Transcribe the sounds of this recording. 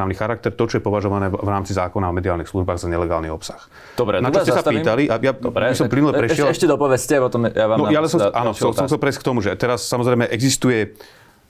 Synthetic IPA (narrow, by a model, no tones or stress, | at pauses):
aːʊnixaɾak̚t̪ɛɾt̪ɔt͡ʃɔjɛpɔʋaʒɔʋanɛːvɾaːmt͡sizaːkɔnaɔmɛd̪iaːlnixsluʒbaːɣzaɲɛlɛɡaːlniɔpsḁx | d̪ɔbɾɛnat͡ʃɔscːɛsapiːt̪aliʔajajabisɔmplinulɛpɾɛʃɪɛlʃcɛd̪ɔpɔʋɛscɛpɔt̪ɔmjaanɔjalɛsɔmʔaːnɔxɛlsɔmxtt͡sɛlpɾɛjsc̚kt̪ɔmuʒɛt̪ɛɾasːamɔzɾɛjmɛʔɛɡzist̪ujɛ